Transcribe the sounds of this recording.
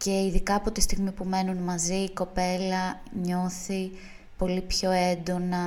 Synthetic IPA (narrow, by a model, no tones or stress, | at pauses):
ce̞iðikɐːpot̪ist̪iɣmipume̞nunmɐziːko̞pe̞lɐ | ɲo̞θi | po̞lipço̞e̞nd̪o̞nɐ